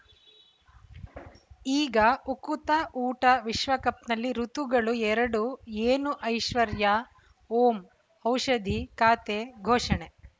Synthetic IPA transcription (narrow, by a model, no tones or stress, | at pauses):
iːɡɐukut̪ɐʔuːʈɐʋiʃʋɐkɐpnɐlːiɾut̪uɡɐɭuɛɾɐɽueːnuʔɐjʃʋɐɾjɐ | oːm | ɐwʃɐd̪ikaːt̪eːɡʱoːʂɐɳe